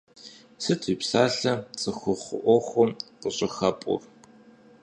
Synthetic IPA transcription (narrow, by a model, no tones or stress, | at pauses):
sɨtʰʼiːpsaːɬɐt͡sʼɨxʷʊχʷʊ̰ʔʷɔxʷɔmqəɕʼɪxɐpʼʊ̰r